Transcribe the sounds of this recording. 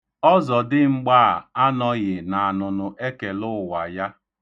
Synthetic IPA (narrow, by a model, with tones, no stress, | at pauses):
ɔ˦zɔ˨dɪ˦ŋ͡m̩˦ɡ͡ba˦˨a˦nɔ˨ɣɪ˨na˨a˨nʊ˨nʊ˨ʔe˦ke˨lʊ˦˨wa˨ja˦